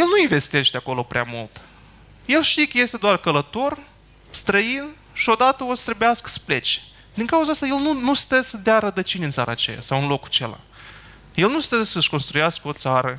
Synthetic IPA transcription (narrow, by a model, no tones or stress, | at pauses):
je̞lnuinve̞st̪e̞ʃt̪eako̞lo̞pɾeamult̪ | je̞lʃt̪ikəje̞st̪e̞d̪oarkələt̪o̞r | st̪ɾəin | ʃio̞d̪at̪əost̪ɾəbejaskə̥sə̥ple̞t͡ʃe̥ | d̪iŋkauzaast̪aje̞lnunust̪əsəd̪eaɾəd̪ət͡ʃinʲiɨnt̪saɾa̰ːt͡ʃḛja̰sawɨnlo̞kt͡ʃela̰ | je̞lnust̪əsəʃko̞nst̪ɾujaskəo̞t̪saɾə